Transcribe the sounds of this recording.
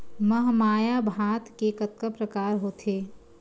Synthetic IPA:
məɦmaːjabʱaːt̪kekət̪̚kəpɾəkaːɾɦoːt̪ʰeː

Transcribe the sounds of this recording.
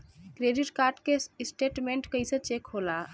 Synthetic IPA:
kɾeɖiʈkaɾɖkesʈeʈmeɳʈkəjsə̃t͡ʃekɦola

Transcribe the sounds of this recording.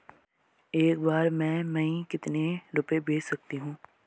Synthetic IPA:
eːk̚baːɾmɛ̃ːmɐ̃ĩkɪt̪neɾʊpebʱeːt͡ʃsɐk̚t̪iɦũː

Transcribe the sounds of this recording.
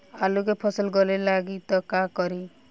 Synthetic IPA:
alukepʰɔsɔlɡɔlelaɡit̪ɔkakɔɾi

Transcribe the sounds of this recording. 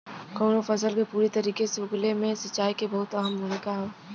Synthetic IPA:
kɔːnofɐsəlkepuːɾit̪ɐɾiːkeseʊɡlemẽsɐt͡ʃːaːikebɐɦʊt̪ɐɦəmbʱomikaɦɛ

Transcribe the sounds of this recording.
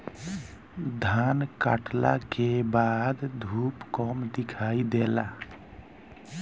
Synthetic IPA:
d̪ʱanka̰ʈla̰kebad̪d̪ʱupkɔmd̪ikʰaid̪ela

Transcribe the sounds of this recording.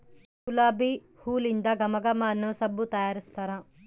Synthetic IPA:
ulaːbi | huːlind̪aɡɐmɐɡamaːnɐsɐbːut̪ɐjaːɾist̪ɐɾa

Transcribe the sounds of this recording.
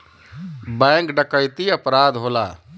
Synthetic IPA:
bɛ̃kɖəkəjt̪iəpɾad̪ɦola̰

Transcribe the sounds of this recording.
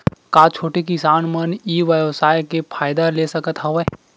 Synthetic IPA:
kaːt͡ʃʰoːʈekisaːnməniːʋəʋsaːjkepʰaːɪd̪alesəkət̪ɦɐʋə

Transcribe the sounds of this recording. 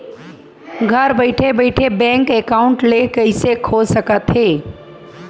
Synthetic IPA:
ɡʱɐɾbəɪʈʰebəɪʈʰebɛ̃ːŋkekaːʊ̃ɳʈlekɐɪsekʰoːd͡ʒsəkət̪ɦeː

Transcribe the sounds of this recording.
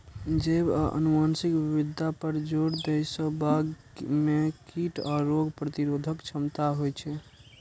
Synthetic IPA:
d͡ʒebə̰numansikbibid̪ʱːapəɾd͡ʒoɽd̪ejsəbaɡ | mekʰiʈɔɾoɡpɾət̪iɾod̪ʱəkt͡ʃʰəmt̪aɦojt͡ʃʰɛ

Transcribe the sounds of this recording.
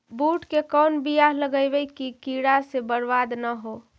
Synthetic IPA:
buʈkekɔnbijaɦləɡəbəjkikiɽasebəɾbad̪nəɦo

